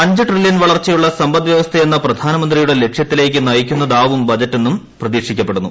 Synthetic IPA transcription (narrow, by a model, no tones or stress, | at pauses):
ɐɲd͡ʑɨʈriljɐnʋɐɭɐrt͡ɕːɐjuɭːɐsɐmbɐd̪ʋjɐʋɐst̪ʰɐenːɐprɐd̪ʱaːnɐmɐnd̪rijuɽe̞le̞kʂjɐt̪ːile̞ːk̬ʲːɨnɐjikʲːunːɐðaːʋumbɐd͡ʑɐtːenːum | prɐðiːkʂikʲːɐpːe̞ɽunːu